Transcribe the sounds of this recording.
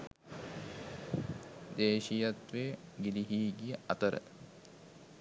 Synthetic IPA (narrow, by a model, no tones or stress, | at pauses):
d̪eːʃijɐt̪ʋeɡiliɦiːɡijəɐt̪əɾə̰